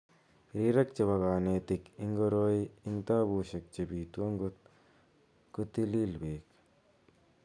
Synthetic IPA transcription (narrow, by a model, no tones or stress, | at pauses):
ɾiɾɐk̚t͡ʃɐbɐɡaːneːt̪ikiŋɡoɾoːjint̪aːbuːɕɐk̚t͡ʃɐbiːt̪uwɐŋɡut̪ | kut̪ililbeːk